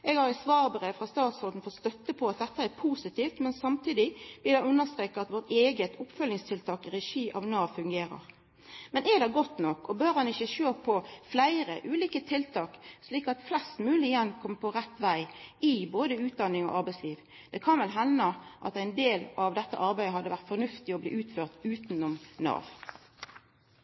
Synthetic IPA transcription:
ʔɛɡhɑɾæsʋɑːʁbəʁefʁɑst̪ɑːt̪shɔld̪n̩fɔt̪st̪œt̪ːəpʰɔɑt̪̚d̪ɛt̪ːəæɾpʰuːsɪt̪iːft̪mɛnsɑmt̪ʰiːd̪ɪb̪ɪd̪ɛʉnːəst̪ɾeːkɑɑt̪ʋɔʁt̪eːɡət̪ʰʊpfœlnɪŋst̪ʰɪlt̪ʰɑːkɛɾɛʃiːʔɑʋnɑːfʉŋɡeːɾə̰ɾ | mɛnɛd̪ɛɡɔt̪nɔkːɔbøɾhɑnɪçəʃøːpʰɔflæɪɾəʔʉːliːkət̪ʰɪlt̪ʰɑːksliːkɑt̪flɛst̪mʉːlɪɪɛnkʰɔmpʰɔʁɛt̪ːʋæɪɪboːd̪əʉːt̪̚d̪ɑnːɪŋɔ̰ʔɑʁbæɪsliːʋ | d̪̥ɛkʰɑnʋɛlɦɛnːəʔɑt̪æɪnd̪eːlɑʋd̪ɛt̪ːə̰ʔɑɾʁbæɪd̪əɦɑd̪ːəʋæʁt̪fɔʁnʉft̪ɪɔblḭːʔʉːt̪føːʁt̪ʉːt̪nɔmnɑ̰ːʋ

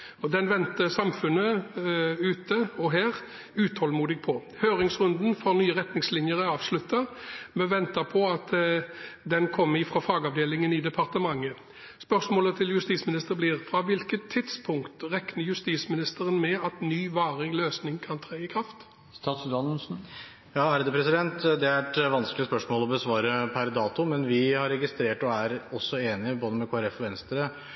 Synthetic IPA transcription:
ɔd̪ɛnʋɛnt̪əsɑmfʉnːə | ʉːt̪ʰəɔɦæːʁ | ʉːt̪hɔlmuːd̪ɪɡ̚pʰɔ | høːʁɪŋsʁʉnd̪n̩fɔʁnyːəʁɛt̪nɪŋslɪnjəɾəɑːʋslʉt̪ːɑmɛʋɛnt̪əpʰɔɑt̪ | d̪ɛnkʰɔmːɪfɾɔfɑːɡɑʋd̪eːlɪŋənɪd̪ɛpʰɑʁt̪əmɑŋːə | spœsmoːlət̪ʰɪljʉst̪iːsmɪnɪst̪əʁəblɪʁfɾɑʋɪlkət̪ʰːɪd̪spʰʊŋkt̪ʁɛknəɾjʉst̪iːsmɪnɪst̪əɾənmɛɑt̪nyːʋɑːʁɪŋløːsnɪŋkʰɑnt̪ʰɾæːɪkʰʁɑft̪ | st̪ɑːt̪sʉd̪ɑnl̩sn̩ | jɑːæɾd̪ɛpʰɾɛsɪd̪ɛnt̪d̪ɛæɾɛʈʋɑnsklɪəspœʂmoːlɔbəsʋɑːɾəpʰæɾd̪ɑːt̪ʊmɛnʋɪhɑɾɛɡɪst̪ɾeːʈɔæɾɔsːɔeːnɪəboːd̪əmɛkʰoːæɾɛfɔʋɛnst̪əɾə

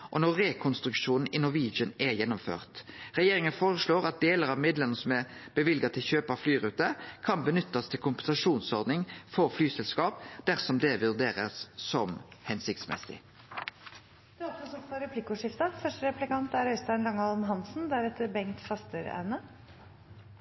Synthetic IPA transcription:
ʔɔnɔʁɛkʰɔnst̪ɾʉkʂuːnn̩ɪnɔʋiːd͡ʒənɛjɛnːʊmfø̰ːʁt̪ʁɛjeːʁɪŋənfoːʁəsloːɾɑt̪̚d̪eːləɾɑʋmɪd̪lɛnəsɔmæb̥əʋɪlɡɑt̪ʰɪlçøːpɑflyːɾʉːt̪əkʰɑnbənʏt̪ːɑst̪ʰɪlkʰʊmpɛnsɑʂuːnsɔʁd̪nɪŋfɔɾflyːsɛlskɑːp̚d̪̥æʁsɔmd̪ɛʋʉʁd̪eːɾəssɔmhɛnsɪkt̪smɛ̰sɪ̰ | d̪̥ɛːɾɔksɔsɔfɔɾɛpʰlɪkʊʂɪft̪ɑfœʂʈəɾɛplɪkɑnt̪æɾœʏst̪ɑnlɑŋːɑlnɦɑnsn̩d̪æɾɛt̪ʰːəɾbɛŋkt̪fɑst̪əɾæ̰nə

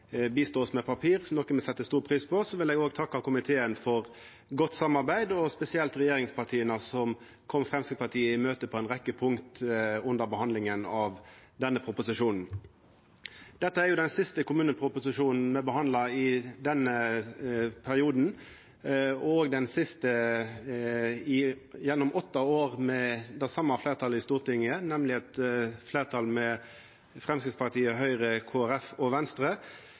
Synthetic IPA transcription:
biːst̪oːsmɛpʰɑpʰiːɾnɔkːəmɔsɛt̪ːəst̪uːʁpʰʁiːspʰɔsɔʋɪleːɡoːɡt̪ʰɑkːɑkʊmɪt̪ʰeːənfɔʁ | ɡɔt̪ːsɑmːɑɾbæɪd̪ɔspɛsɪɛlt̪ʁɛjeːɾɪŋspʰɑt̪ʰiːənɑsɔm | kʰɔmfʁɛmsəpʰɑʈ̪ʰiːəɪmøːt̪əpʰɔɛnʁɛkːəpʰʊŋkt̪ʉnd̪əʁɾbəhɑnd̪lɪŋənɑʋd̪ɛnːəpʰɾʊpʊsɪʂuːnn̩ | d̪ɛt̪ːəæɾjʊd̪ɛnsɪst̪əkʰʊmʉːnəpʰɾʊpʊsɪʂuːnn̩mɛbəhɑnd̪lɑɪd̪ɛnːə | pʰæʁɪuːd̪n̩ | ɔoːɡd̪ɛnsɪst̪ə | ɪjɛnːɔmɔt̪ːɑoːʁmɛd̪ɛsɑmːɑfleːʁt̪ʰɑːləɪst̪uːʁt̪ʰɪŋənɛmlɪɛt̪fleːʁt̪ʰɑlmɛ | fʁɛmskʁɪt̪spɑʁt̪ʰiːəɦœʏʁəkʰoːæʁɛfɔʋɛnst̪ʁə

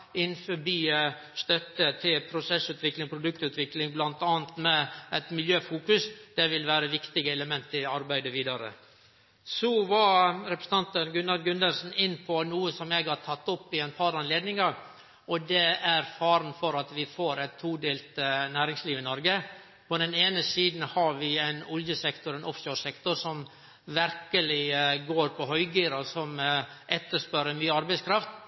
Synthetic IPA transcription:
ɪnːfɔbiː | st̪œt̪ːət̪ʰɪlpʰɾʊsɛsʉːt̪ʋɪklɪŋpʰɾʊd̪ʉk̚t̪ʉːt̪ʋɪklɪŋblɑnt̪ɑːnt̪mɛæt̪mɪljøːfuːkʉsd̪̥ɛʋɪlʋæːɾəʋɪkt̪ɪɡəɛləmɛnt̪ɪɑɾbæɪd̪əʋiːd̪ɑɾə̰ | sɔʋɑɾɛpɾsn̩ʰɑnt̪ənɡʉnɑɾɡʉnd̪əlsn̩ɪnːpʰɔnuːəsɔmjæɡhɑʈʰɑt̪ːɔpːɪɛɪnpʰɑɾɑnleːd̪nɪŋɑɾ | ɔd̪ɛæɾfɑːɾn̩fɔɾɑt̪ʋɪfoːɾɛt̪ʰːuːd̪eːlt̪næːɾɪŋsliːʋɪnɔɾɡə | pʰɔd̪ɛneːnəsiːd̪n̩hɑɾʋɪæɪnɔljəsɛkt̪ʊɾɛnʔɔfʃoːsɛkt̪ʊɾsɔm | ʋæɾkəlɪɡoːɾpʰɔɦœʏɡiːɾɑsɔmʔɛt̪ːəʂpœɾəmyːəɑɾbæɪskʰɾɑft̪

